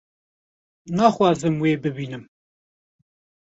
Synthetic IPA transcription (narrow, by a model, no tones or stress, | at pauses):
nɑːxwɑːzɨmweːbɨbiːnɨm